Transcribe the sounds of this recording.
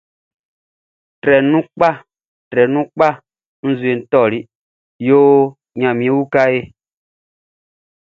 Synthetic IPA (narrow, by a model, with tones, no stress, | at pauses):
tɾɛ˨nũ˦k͡pa˦ | tɾɛ˨nũ˦k͡pa˦ | n̩˦zu˨e˨n̩˦tɔ˦˨ɾi˦ | joː˦ | ɲã˨mĩ˨˦ẽ˦wu˦ka˦e˦